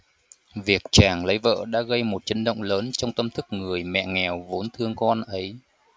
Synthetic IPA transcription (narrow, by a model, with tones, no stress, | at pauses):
vi˨˩ək̚t͡ɕaː˨˩ŋlə˨˦jvə̰ː˧˨ɗa̰ː˧˥ɣə˧jmo˨˩t̚t͡ɕə˨˦ŋ̟ɗə̰˧˨wŋ͡mləː˨˦nt͡ɕɔ˧wŋ͡mt̪ə˧mt̪ʰɨ˦˥k̚ŋɨ˨˩əjmɛ̰˧˨ŋɛ˨˩wvo˨˦nt̪ʰɨ˧əŋkɔ˧nʔə˨˦j